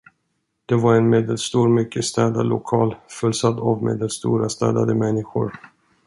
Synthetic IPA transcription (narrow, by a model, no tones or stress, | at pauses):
d̪̥ɛvaɾɛnmeːd̪əlst̪uːɾmʏkːəst̪ɛːd̪alʔʊ̰kʰɑːlfɵlsad̪avmḛːd̪əlst̪ṵːɾast̪ɛːd̪ad̪əmɛnːɪɧʊ̰ɾ